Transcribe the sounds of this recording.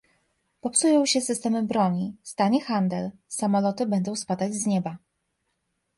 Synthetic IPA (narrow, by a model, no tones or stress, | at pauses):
pɔpsujɔ̃w̃ɕɛsɘst̪ɛmɘbɾɔɲist̪aɲɛxand̪ɛlsamɔlɔt̪ɘbɛnd̪ɔ̃w̃spad̪ad͡ʑzɲɛba